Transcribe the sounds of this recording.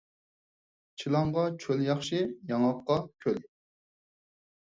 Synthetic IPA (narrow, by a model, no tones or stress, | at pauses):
t͡ʃʰilˠɑŋʁɑt͡ʃʰøljɑχʃijɑŋɑqːɑkʲʰøl